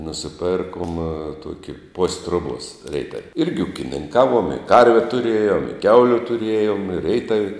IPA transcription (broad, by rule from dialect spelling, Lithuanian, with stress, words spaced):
nʊsʲɪˈpʲeːrkuɔm ˈtuɔkʲɪ poːsʲ ˈtruɔbuɔs ˈrʲɛɪtɐw ˈɪrʲɡʲɪ ʊkʲɪnʲɪŋˈkɑːˌʋuɔm ɪ ˈkɐrʲʋʲɛ tʊˈrʲeːjoːm ɪ ˈkʲɛʊlʲʊ tʊˈrʲeːjoːm ɪ rʲɛɪtɐw